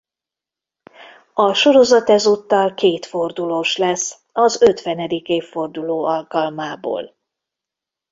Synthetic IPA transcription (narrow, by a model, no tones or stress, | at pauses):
ɒʃo̞ɾo̞zɒt̪ɛzut̪ːɒlkeːt̪fo̞rd̪uloːʃlɛsː | ɒzøt̪ʋɛnɛd̪ikeːfːo̞rd̪uloːɒlkɒlmaːbo̰ːl